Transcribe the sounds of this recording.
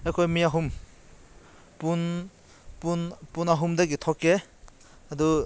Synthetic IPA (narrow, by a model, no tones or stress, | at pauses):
ekʰojmiaɦum | pun | punpunaɦumdaɡitʰɔkːe | ɐdu